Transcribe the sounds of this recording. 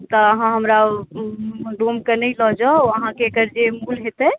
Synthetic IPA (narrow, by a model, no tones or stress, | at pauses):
t̪ɔəɦãɦəmɾa | ɖomkənəjlɔɦd͡ʒaəɦãkeːkəɾd͡ʒemulɦet̪ɛ